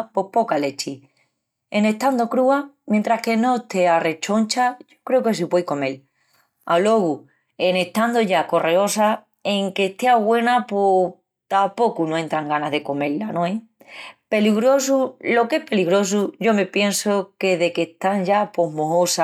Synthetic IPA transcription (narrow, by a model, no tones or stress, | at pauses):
po̞hpo̞kale̞t͡ʃi | ene̞t̪and̪o̞kɾuamjẽnt̪ɾahke̞no̞t̪e̞are̞t͡ʃo̞nt͡ʃaʝokɾe̞oke̞sipwe̞jko̞me̞l | alo̞ɣu | e̞ne̞ht̪and̪oʝako̞reo̞sa | e̞ŋke̞ht̪e̞aɣwe̞napo | t̪apo̞kunoent̪ɾaŋɡanaɦðe̞ko̞me̞llːanõe | pe̞liɣɾo̞s̬ulo̞ke̞hpe̞liɣɾo̞s̬uʝo̞me̞pje̞nsoke̞ðe̞ket̪aŋʝapo̞ɦmoɦosa